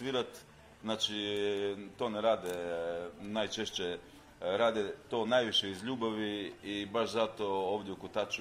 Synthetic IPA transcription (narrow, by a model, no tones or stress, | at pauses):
ʋiːɾat̪ | znaːt͡ʃi | t̪o̞ːneɾaːd̪ɛ | najt͡ʃeʃt͡ɕe | ɾaːd̪et̪o̞ːnajʋiʃeizʎuːbaʋiibaʃzat̪o̞oːʋd̪jeukut̪at͡ʃu